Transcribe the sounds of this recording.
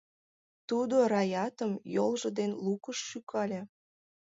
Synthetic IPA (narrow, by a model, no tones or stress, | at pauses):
t̪ud̪oɾɑjɑt̪əmjolʒə̆d̪enlukəʃːykʰɑlʲe